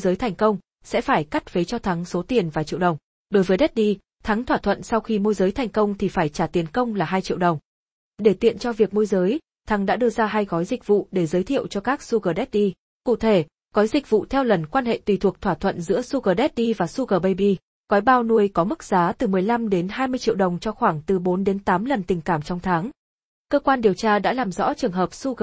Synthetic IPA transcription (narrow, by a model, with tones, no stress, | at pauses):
jzəː˨˦jt̪ʰa˨˩jŋ̟kə˧wŋ͡m | sɛ̰˧˥faː˧˩jka˦˥jt̚vəː˨˦jt͡ɕɔ˧t̪ʰa˨˦ŋso˨˦t̪i˨˩ənvaː˨˩t͡ɕḭ˧˨wɗə˨˩wŋ͡m | ɗo˨˦jvəː˨˦jɗe˦˥t̚ɗi˧ | t̪ʰa˨˦ŋt̪ʰwaː˧˩t̪ʰwə̰˧˨nsa˧wxi˧mu˧jzəː˨˦jt̪ʰɛ˨˩jŋ̟kə˧wŋ͡mt̪ʰi˨˩faː˧˩jt͡ɕaː˧˩t̪i˨˦ənkə˧wŋ͡mlaː˨˩ɦaː˧jt͡ɕḭ˧˨wɗə˨˩wŋ͡m | ɗe˧˩t̪ḭ˧˨ənt͡ɕɔ˧vi˨˩ək̚mu˧jzəː˨˦j | t̪ʰa˨˦ŋɗa̰ː˧˥ɗɨ˧əzaː˧ɦaː˧jɣɔ˨˦jzï˨˩k̟̚vṵ˧˨ɗe˧˩zəː˨˦jt̪ʰḭ˧˨əwt͡ɕɔ˧kaː˦˥k̚su˧ɣəː˨˩ɗɛ˦˥t̚ɗi˧ | kṵ˧˨t̪ʰe˧˩ | ɣɔ˨˦jzï˨˩k̚vṵ˧˨t̪ʰɛ˧wlə˨˩nkwaː˧nhḛ˧˨t̪wi˨˩t̪ʰu˨˩ək̚t̪ʰwaː˧˩t̪ʰwə̰˧˨nzɨ̰˧˥əsu˧ɣəː˨˩ɗɛ˦˥t̚ʔi˧vaː˨˩su˧ɣəː˨˩ɓə˧jɓi˧ | ɣɔ˨˦jɓaː˧wnu˧əjkɔ˨˦mɨ˦˥k̚z̥aː˨˦t̪ɨ˨˩mɨ˨˩əjla˧mɗe˨˦nɦaː˧jmɨ˧əjt͡ɕḭ˧˨wɗə˨˩wŋ͡mt͡ɕɔ˧xwaː˧˩ŋt̪ɨ˨˩ɓo˨˦nɗe˨˦nt̪aː˨˦mlə˨˩nt̪ï˨˩ŋ̟kaː˧˩mt͡ɕɔ˧wŋ͡mt̪ʰaː˨˦ŋ | kəː˧kwaː˧nɗi˨˩əwt͡ɕaː˧ɗa̰ː˧˥laː˨˩mzɔ̰˧˥t͡ɕɨ˨˩əŋɦəː˨˩p̚su˧ɣə˨